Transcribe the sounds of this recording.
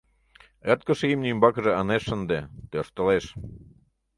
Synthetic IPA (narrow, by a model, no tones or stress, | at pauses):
et̪̚kə̆ʃimnymbɑkəʒĕɑneʃːənd̪et̪øʃt̪ə̆leʃ